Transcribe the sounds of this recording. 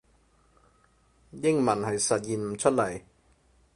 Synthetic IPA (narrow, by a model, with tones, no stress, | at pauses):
jɪ˥ŋmɐ˨˩nhɐ˨jsɐ˨t̚jiː˨nm̩˨˩t͡ʃʰɵ˥t̚lɐ˨˩j